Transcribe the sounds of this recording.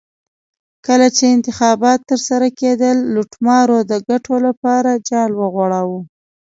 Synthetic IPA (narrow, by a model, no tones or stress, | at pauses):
kəlat͡ʃeɪnt̪ɪxɑbɑt̪ːəɾsaɾaked̪əlːuʈmɑɾod̪əɡaʈʰolapɑɾad͡ʒɑlwəɣwaɽawu